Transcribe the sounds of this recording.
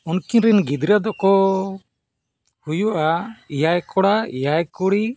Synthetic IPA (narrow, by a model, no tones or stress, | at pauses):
unkinɾɛnɡid̪ɾad̪ɔkɔ | hujuʔaijajkɔɽaijajkuɽi